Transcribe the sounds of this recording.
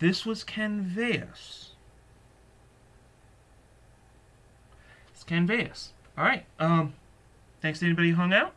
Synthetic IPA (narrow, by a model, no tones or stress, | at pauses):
ðɪswʌz̥kʰæ̃nveɪɨ̰s | ɪskʰæ̃nveɪɨ̰sɑlɹˠɹaɪt̚ʔʌ̃m | θæ̃ŋkstʰɨɛñibɑɾiɨɦʌ̃ŋaʊt̚